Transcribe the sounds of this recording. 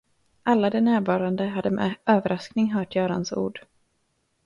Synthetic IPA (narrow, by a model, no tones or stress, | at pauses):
ʔalːad̪ɛnæːɾvɑːɾand̪əɦad̪ːəmɛ̰øːvəɾʔasknɪŋɦœːʈjœːɾansṵːɖ